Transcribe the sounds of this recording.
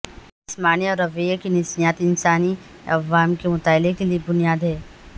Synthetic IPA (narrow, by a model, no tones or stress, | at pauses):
ɪsmaːniɔːɾɐʋejəkinɪsnijaːt̪ɪnsaːni | ɐ̰ʋaːmkemʊt̪aːlekeliebʊnijaːd̪ɦɛː